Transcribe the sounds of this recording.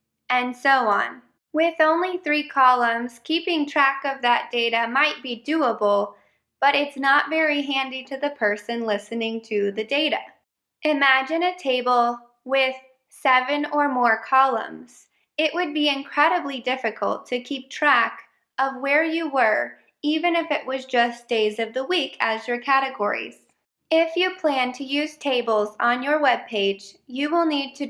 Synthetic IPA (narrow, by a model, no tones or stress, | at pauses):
ɨ̃nsoʊə̰̃n | wɪðõʊ̃nliθɹikʰɑlˠə̃mz̥kʰipɪ̃ŋtʰɹ̥ækʌvðɨt̚d̥eɪɾɨmaɪt̚b̥idʉəbl̩ˠ | b̥ʌɾɪtsnətvɛɹiɦæ̃ndiɾɨðɨpʰɜ˞sɨ̃nlɪsɨnɪ̃ŋtʰɨðɨdeɪɾɨ̰ | ʔɨmæd͡ʒɨ̃nɨtʰeɪbl̩ˠ | wɪð̥ | sɛvɨ̃nə˞mɔɹkʰɑlˠə̰̃mz̥ | ɪʔwʔɨd̚biɪ̃nkʰɹ̥ɛɾɨblidɪfɨkʰə̰l̩ˠtʰɨkʰip̚tʰɹ̥æk | ʔʌvwə˞jɨwə˞ | ivɨ̃nɨfɨʔwʌzd͡ʒʌsd̥eɪzʌvðəwikʰɨzjə˞kʰæɾɨɡɔ̰ɹḭz̥ | ɪfjɨpʰl̥æ̃ntʰɨjʉz̥tʰeɪbl̩ˠzn̩jə˞wɛb̚pʰeɪ̥d͡ʒjɨwɪlˠnid̚tʰɨ